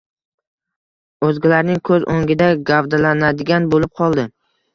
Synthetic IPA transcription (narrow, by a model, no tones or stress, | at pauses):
ɵzɡʲɪlaɾnɪŋkʰɵzʔo̰ŋʲɪd̪aɡavd̪alanad̪ɪɡʲanbolɪp̚qʰɒlˠd̪ɪ